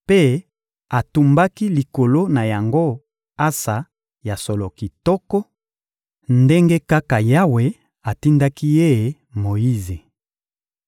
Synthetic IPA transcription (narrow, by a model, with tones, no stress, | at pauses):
pe˦ | a˨tu˨mba˦ki˦li˨ko˨lo˦na˨ja˨ŋɡo˦ | a˦sa˨ | ja˨sɔ˨lɔ˨ki˨tɔ˦kɔ˦ | nde˦ŋɡe˦ka˦ka˨ja˦we˨ | a˨ti˦nda˦ki˦je˦˨ | mo˨ji˦ze˨